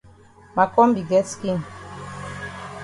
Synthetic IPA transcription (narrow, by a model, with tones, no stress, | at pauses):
ma˨kɔ˦m˦bi˨ɡɛ˦ski˦˨n